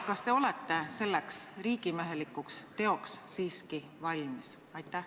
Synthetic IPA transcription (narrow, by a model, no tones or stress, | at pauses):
kɑst̪e̞o̞let̪ːe̞se̞lːe̞ksriːɡimeɦe̞likːˑukst̪e̞o̞ksːiːski | vɑlʲmis | ɑjt̪ːˑæh